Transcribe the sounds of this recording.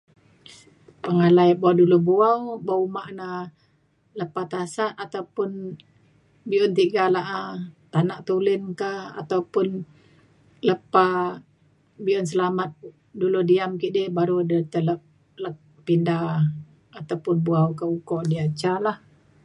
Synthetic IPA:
paŋalajbuawdulubuawbaumaʔna | ləpat̪asaʔat̪awpʊn | biɔnt̪iɡalaʔat̪anaʔt̪ulɪnkaa̰t̪awpʊn | ləpa | biʔɔnsəlamat̪̚ | duludiamkiʔdihbaɾudət̪ələp̚ | lək̚ | pinda | at̪awpʊnbuawkaukɔʔdiat͡ʃalah

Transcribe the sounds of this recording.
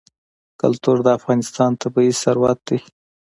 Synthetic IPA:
ka̰lt̪uɾd̪əafɣɑnɪst̪ɑnt̪abaisaɾwɑt̪̚d̪i

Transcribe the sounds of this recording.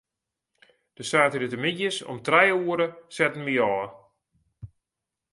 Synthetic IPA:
d̥əsaːtəɾətəmidjəsɔ̰mtrɛjuəɾəsɛtən̩ʋiɔː

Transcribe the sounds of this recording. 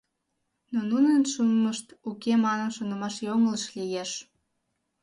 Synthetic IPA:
nonunənʃunməʃt̪ukemɑnənʃonə̆mɑʃjoŋələʃlijeʃ

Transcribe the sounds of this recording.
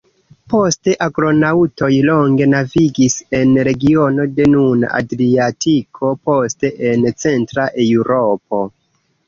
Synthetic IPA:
po̞ste̞ʔaɡɾo̞nawto̞jlo̞ŋɡe̞naviɡise̞nɾe̞ɡio̞no̞de̞nuna̰ʔa̰dɾiatikʰo̞po̞ste̞ʔent͡se̞ntɾaʔe̞uɾop̚o̞

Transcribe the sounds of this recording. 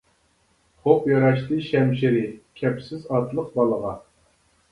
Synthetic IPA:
χopjɑɾɑʃt̪ɨʃɛmʃ̬ɪɾɪkʲʰɛpsɪzɑt̪lˠəq̚bɑlˠəʁɑ

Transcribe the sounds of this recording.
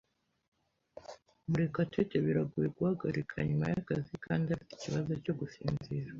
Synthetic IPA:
muɾekateteβiɾaɡuje̞ɡuhaɡaɾikʰa̰ɲuma̰jakazikʰaːndiafiti̥ciβazo̞co̞ɡusiːnziːɾa

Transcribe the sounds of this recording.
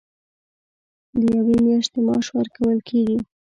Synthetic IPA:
d̪əjawemjɑʃt̪emɑʃwəɾkawəlkʰeɡi

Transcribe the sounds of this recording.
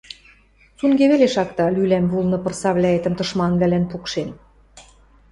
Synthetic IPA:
suŋɡeβeleʃɑkt̪ɑlylæmbulˠnɤ̆pɤ̆rsɑβlʲæet̪ə̆mt̪ɤ̆ʃmɑnβlælænpukʃen

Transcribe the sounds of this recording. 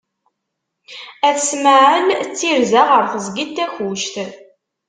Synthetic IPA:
æθsməʕəlt͡sːiɾzæʁəɾθəzɡit̪ːæçuʃt̪

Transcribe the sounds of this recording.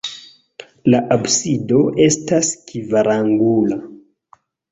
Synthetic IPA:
laʔabsido̞e̞staskivaɾaŋɡula

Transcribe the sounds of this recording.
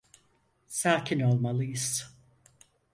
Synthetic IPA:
saːkʰʲinolˠmalˠɯjɨs

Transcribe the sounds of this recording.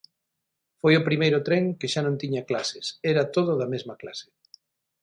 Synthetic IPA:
fojʊpɾimejɾʊt̪ɾeŋkɪʃanõnt̪iɲaklasɪsɛɾat̪oð̞ʊðɐmezmɐklasɪ̥

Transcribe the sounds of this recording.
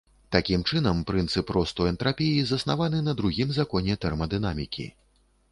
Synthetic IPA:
t̪akʲimt͡ʂɨnɐmpɾɨnt̪sɨpɾɔst̪ɔjɛnt̪ɾapʲijizɐsnavanɨnɐd̪ɾuɣʲimzakɔnʲɛt̪ɛrmɐd̪ɨnamʲikʲḭ

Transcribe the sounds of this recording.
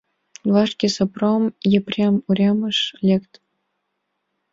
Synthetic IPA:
lˠɑʂkʲesopromjeprʲɑmuɾʲɑmɤ̆ʃlʲekt̪

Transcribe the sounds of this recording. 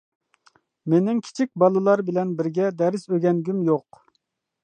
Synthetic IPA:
menɪŋkʲʰi̥t͡ʃʰik̚ʲbɑlˠɨlˠɑɾbɪlɛnbɪɾɡʲɛd̪ɛɾɪsøɡʲɛnɡʲymjoq

